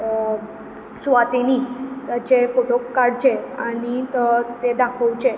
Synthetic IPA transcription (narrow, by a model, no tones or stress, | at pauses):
sʋat̪eniːt̪at͡ɕefoʈokːaɾɽt͡ɕea̰ñiət̪ed̪akʰəwt͡ɕe